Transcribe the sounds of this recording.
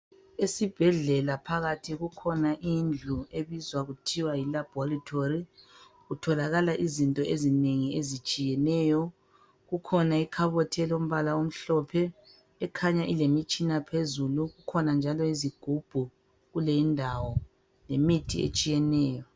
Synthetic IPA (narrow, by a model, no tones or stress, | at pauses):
esib̥ʱɛɮɛlapʰaɣatʰiɣukʰɔnaʔind͡ɮʱueβizwaɣutʰiwajilab̥ʱɔritʰori | ɣutʰɔlaɣalaʔizintʼɔʔezineŋiezit͡ʃʼijɛnɛːjɔ | ɣukʰɔnaikʰaβɔtʰɛlom̩βalaom̩ɬɔpʰɛː | kʰaɲaʔilemit͡ʃʼinapʰezuluɣukʰɔnand͡ʒʱalɔiziɡ̥ʱub̥ʱu | ɣuleindʱawɔ | lemitʰḭḛt͡ʃʼijɛnɛːjɔ